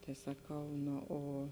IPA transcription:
tɐɪ sɐˈkɐʊ ˈnoː oː

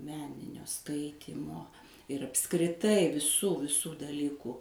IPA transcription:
ˈmʲæːnʲɪnʲoː ˈskɐɪtʲiːmoː ɪr ɐpskrʲɪˈtɐɪ ʋʲɪˈsuː ʋʲɪˈsuː dɐˈlʲiːkuː

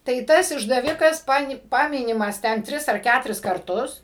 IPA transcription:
tɐɪ ˈtɐs ɪʒdɐˈʋʲɪkɐs ˈpɑːnʲɪ ˈpɑːmʲɪnʲɪmɐs ˈtʲɛn ˈtʲrʲɪs ɐr ˈkʲætʊrʲɪs kɐrˈtʊs

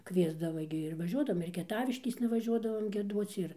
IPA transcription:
ˈkʋʲiɛzdɐʋɐ ɡʲɪ ɪr ʋɐˈʒʲuɔdɐʋoːm ɪr kʲiɛˈtɑːʋʲɪʃʲkʲeːsnɐ ʋɐˈʒʲuɔdɐʋoːm ɡʲiɛˈduɔt͡s ɪr

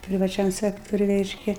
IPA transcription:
pʲrʲɪʋɐˈt͡ʃʲɛm ˈsʲæːktoːrʲʊj ˈrʲɛɪʃʲkʲɛ

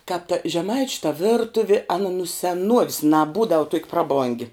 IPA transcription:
kɑːp tɐ ʒʲɛˈmɐɪt͡ʃʲʊ tɐ ˈʋʲɪrtʊʋʲɪ ˈɑːnɐ nʊ sʲɛˈnuɔʋʲɪs nɐˈbuːdɐw tuɔkʲ ˈprɑːˌboːŋʲɡʲɪ

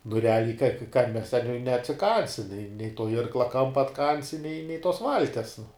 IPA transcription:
nʊ rʲɛˈɑːlʲɛɪ kɐn mʲɛs tʲɛn nʲɛ nʲɛɐtʲsʲɪˈkɐnʲsʲɪ nʲɛɪ nʲɛɪ toː ˈɪrklˠɐ ˈkɐmpɐ ɐtˈkɐnʲsʲɪ nʲɛɪ nʲɛɪ toːs ˈʋɐlʲtʲiɛs nʊ

